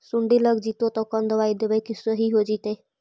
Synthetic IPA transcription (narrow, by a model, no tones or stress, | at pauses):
suɳɖiləɡd͡ʒit̪ot̪ɔkɔnd̪əʋajd̪ebəjkisəɦiɦod͡ʒit̪e